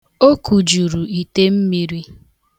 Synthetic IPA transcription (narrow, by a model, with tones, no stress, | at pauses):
o˦ku˨d͡ʒu˨ɾu˨i˨te˦m̩˦mi˦ɾi˦